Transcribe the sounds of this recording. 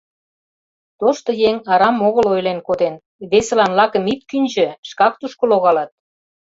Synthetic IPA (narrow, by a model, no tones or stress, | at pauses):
t̪oʃt̪ŏjeŋɑɾɑmoɣəlojlenkod̪en | βeselɑnlɑkə̆mit̪kynʲʒø̆ʃkɑk̚t̪uʃkə̆loɣɑlɑt̪̚